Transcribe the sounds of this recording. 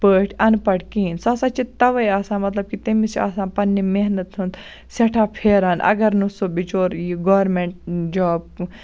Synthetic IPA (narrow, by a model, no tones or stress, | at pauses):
pəːʈʰɐnpɐʈkiːnsɐːsat͡ʃit̪ɐʋɐjaːsãːmɐt̪lɐb̚kit̪emisa̰ːsãːpɐnːimeɦnət̪ɦund̪ | sɐʈʰaːpʰeːɾaːnʔɐ̰ɡɐɾnusoːbit͡ʃoːɾiɡoːɾmeɳʈ̚d͡ʒaːb̚